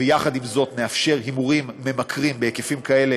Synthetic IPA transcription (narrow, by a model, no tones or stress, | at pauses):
ejaχad̪imzo̞t̪neafʃe̞ʁhimuʁimːe̞makʁimbeekefimkae̞le